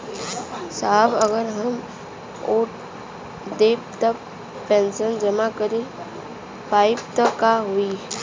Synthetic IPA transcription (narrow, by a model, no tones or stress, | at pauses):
saːbəɡəɾɦəm | uːʈ | d̪eːpt̪ə | pẽːnsənd͡ʒəmakəɾi | paːɪp̚t̪əkaɦui